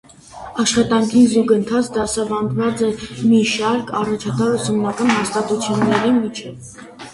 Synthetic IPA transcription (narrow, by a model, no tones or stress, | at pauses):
ɑʃχɑt̪ɑŋkʰizuɡənt̪ʰɑt͡sʰd̪ɑsɑvɑnd̪vɑt͡sɛmiʃɑɾkʰɑrɑt͡ʃʰɑt̪ɑusumnɑkɑnɦɑst̪ɑt̪ut͡sʰjunːɛɾimit͡ʃʰɛv